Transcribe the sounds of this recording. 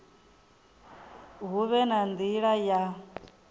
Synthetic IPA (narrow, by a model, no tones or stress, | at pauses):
ɦuβɛnand̪iɺaja